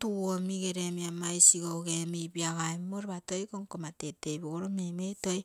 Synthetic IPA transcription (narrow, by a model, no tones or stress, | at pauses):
tuomiɡeɾemiamajsiɡowɡemejbiaɡaemmoɾeβatojkoŋkomatetejboɡoɾomemetoj